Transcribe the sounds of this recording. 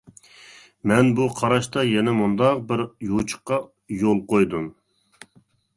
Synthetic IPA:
mɛnbuqʰɑɾɑʃt̪ɑjɛnɛmund̪ɑq̚bɪɾjut͡ʃʰə̥qːɑ | jolˠqʰojd̪um

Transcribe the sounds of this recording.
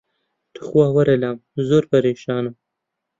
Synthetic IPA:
t̪ə̥xwɑːwaɾelɑːmzoɾpaɾeʃɑːna

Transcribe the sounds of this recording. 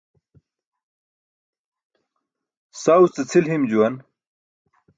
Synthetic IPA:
sawt͡sət͡sʰilhimd͡ʑuwɐn

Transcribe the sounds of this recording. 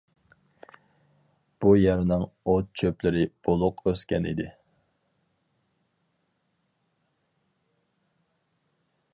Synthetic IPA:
b̥ujɛɾnɪŋot̪̚t͡ʃʰøplɪɾɪb̥olˠʊqøskʲɛnḭd̪ɪ

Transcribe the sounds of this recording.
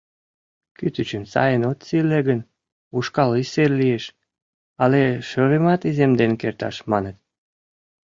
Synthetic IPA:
kyt̪yt͡ɕəmsɑ̰jənot̪sileɡən | uʃkɑliserlieʃ | ɑleʃøɾemɑt̪izemd̪enkert̪ɑ̰ʃmɑnət̪̚

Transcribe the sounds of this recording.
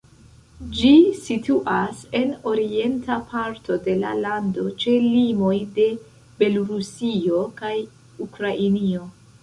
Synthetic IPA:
d͡ʒisituʔase̞no̞ɾie̞ntapʰaɾtʰo̞de̞la̰lando̞t͡ʃe̞limo̞jde̞ | be̞loɾusio̞kaj | ukɾaʔinio̞

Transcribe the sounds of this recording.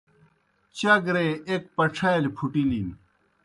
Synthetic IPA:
t͡ɕɐɡɾeek̚pɐʈ͡ʂʰɐjɐlpʰuʈilin

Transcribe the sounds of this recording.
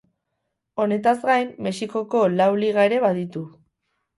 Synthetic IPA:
o̞ne̞t̪azɡajmːe̞siko̞ko̞lawliɣ̞ae̞ɾe̞βaðit̪u

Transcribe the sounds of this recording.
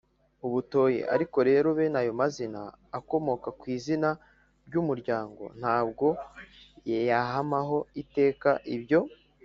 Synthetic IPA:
uβuto̞ːjḭʔa̰ɾiko̞ɾe̞ːɾo̞βe̞najo̞mazina̰ː | ko̞mo̞kakwiːzina | ɾɟumuɾɟaːŋɡo̞̰n̥haːb̚ɡo̞ | jejaɦamaɦo̞ite̞ːkaʔibɟo̞

